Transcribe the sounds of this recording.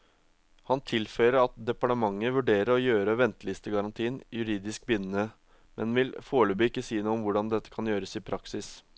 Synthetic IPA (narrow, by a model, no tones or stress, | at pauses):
hɑnt̪ʰɪlfœʏɾəɾɑt̪̚d̪ɛpɑʈəmɑŋːəʋʉɖeːɾəɾɔjøːɾəʋɛnt̪əlɪst̪əɡɑɾɑnt̪ʰiːnjʉɾiːd̪ɪskbʏnn̩ə | mʔɛ̰nʋɪlfoːɭəbʏɪkːəsiːnuːɔmʋʊɖɑnd̪ɛt̪ːə̥kʰɑnjøːɾəsɪpʰɾɑksɪs